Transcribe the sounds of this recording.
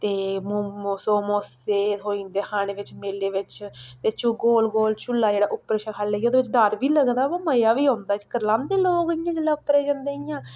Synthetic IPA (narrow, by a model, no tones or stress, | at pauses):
t̪eːmsoːmoːseːɦoːĩːnd̪eːhaːɽ̃eːʋɪt͡ʃmeːleːʋɪt͡ʃt̪eːt͡ʃʊɡoːlɡoːlt͡ʃʊlːaːd͡ʒeːɽaːʔʊpːəɾʃakʰalːeːjːoːd̪eːʋɪt͡ʃɖəɾʋiːləɡd̪aːbaːməjaːʋiːɦõːnd̪aːd͡ʒikəɾlãːnd̪eːloːkɪjãːd͡ʒəlːaːʊpːɾeːd͡ʒãnd̪eːijãː